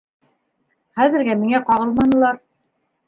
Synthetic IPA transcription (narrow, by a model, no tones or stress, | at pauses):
χæðɘ̆ɾɡæmiŋæqɑʁɤlˠmɑnɤ̆lˠɑɾ